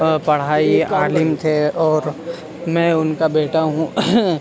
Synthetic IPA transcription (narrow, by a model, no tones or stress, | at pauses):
pɐɽ̤aːiaːlɪmt̪ʰeɔːɾ | mɛ̃ʊnkabeːʈaɦũ